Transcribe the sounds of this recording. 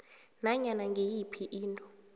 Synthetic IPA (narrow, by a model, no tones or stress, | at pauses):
naɲanaŋɡʱejipʰiʔiːntʼɔ